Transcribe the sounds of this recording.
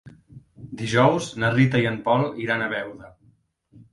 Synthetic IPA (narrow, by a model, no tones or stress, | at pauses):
d̪iʒɔwznərit̪əiəmpɔlˠiɾanəβɛwðə